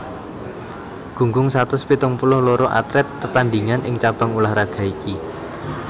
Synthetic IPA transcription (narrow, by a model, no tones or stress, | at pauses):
ɡ̥ṳŋɡʊŋsat̪ʊspit̪ʊŋpulʊhlɔɾɔʔa̰t̪ɾɛt̪ːət̪and̪iŋanʔɪŋt͡ʃab̥a̤ŋulahraɡ̥a̤iki